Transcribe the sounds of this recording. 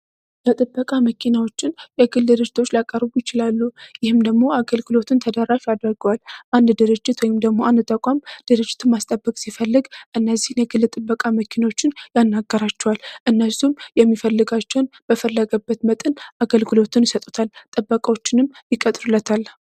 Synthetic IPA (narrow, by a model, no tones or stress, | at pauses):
jɛt̪ʼɨbːəkʼaməkʰinawo̞t͡ʃːɪnjɛɡɨld̪ɨɾɨd͡ʒːɪt̪ʰo̞t͡ʃːlakʼːəɾɨbujɪt͡ʃɪlalːujɪhɨmd̪əɡmo̞aɡəlɡɨlo̞t̪ʰɨnt̪ʰəd̪əɾaʃad̪ɾəɡəwalʔand̪d̪ɨɾɨd͡ʒːɪt̪wɔjɪmd̪əɡmoʔand̪t̪ʼəkʷʼamd̪̥ɨɾɨd͡ʒːɪt̪ʰɨmːast̪ʼəbːəkʼsifəlːɨɡʔɨnːəzːihnjɛɡɨlːɨt̪ʼɨbːəkʼaməkʰinawo̞t͡ʃːɪnjanːaɡːəɾat͡ʃːɛwalʔɨnːəsumjɛmːifəlːɨɡat͡ʃːɛwnb̥əfəlːəɡəbːət̪mət̪ʼɨnʔaɡəlɡɨlo̞t̪ʰɨnjɪsət̪ʼut̪ʰalt̪ʼɨbːəkʼawo̞t͡ʃːɪnɨmjɪkʼət̪ʼɾulːət̪ʰalː